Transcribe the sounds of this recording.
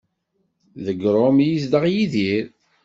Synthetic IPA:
ðəɡɾˤomjisd̪əʁjiðiɾ

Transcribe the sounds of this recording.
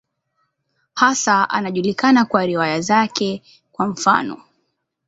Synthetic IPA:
hasaa̰naʄulikanakwaɾiwajazakɛ | kwam̩fa̰nɔ̰

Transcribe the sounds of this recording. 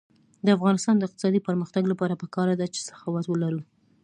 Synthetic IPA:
d̪əafɣɑnɪst̪ɑnd̪əɪq̚t̪ɪ̥sɑd̪ipəɾməxt̪aɡlapɑɾapəkɑɾad̪at͡ʃe̥sḁfɑwɑt̪wəlaɾu

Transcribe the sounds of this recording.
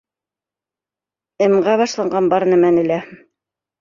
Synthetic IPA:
ɘ̆mɢɑβɑʃlˠɑɴɢɑnbɑɾnæmænɘ̆læ

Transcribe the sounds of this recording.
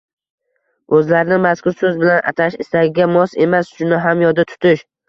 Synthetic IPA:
ɵzlaɾɪnɪmaskʰʊɾsɵzbɪlanʔa̰t̪ʰaʃɪst̪aɡʲɪɡʲamɒse̞masʃʊnaɦamjɒd̪at̪ʰʊ̥t̪ʰɪʃ

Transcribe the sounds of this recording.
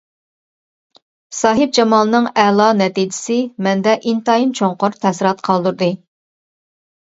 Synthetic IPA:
sɑːɦɨp̚d͡ʒɑmɑːlˠɨnɨŋɛlˠɑnɛt̪id͡ʒɪ̥sɪmɛnd̪ɛʔint̪ɑimt͡ʃʰoŋqʊɾt̪ʰɛsɪɾɑt̪qʰɑlˠd̪uɾd̪ɨ

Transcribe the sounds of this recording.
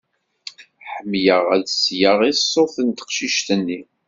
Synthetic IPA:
ħəmːjəʁæðsjəʁisˤːoθənt̪ə̥qʃiʃt̪ənːi

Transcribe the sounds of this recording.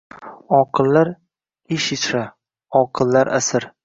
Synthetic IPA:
ɒqʰɨlˠːaɾ | ɪʃɪt͡ʃʰɾa | ɒqʰɨlˠːaɾʔa̰sɪɾ

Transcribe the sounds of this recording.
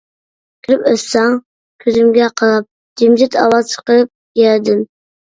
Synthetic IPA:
kʲʰiɾɪpøsɑŋ | kʲʰyzymɡʲɛqʰəlˠɑp̚ | d͡ʒimd͡ʒɪt̪ʰɑ̰wɑzt͡ʃʰə̥qəp̚ | jɛd̪ɪm

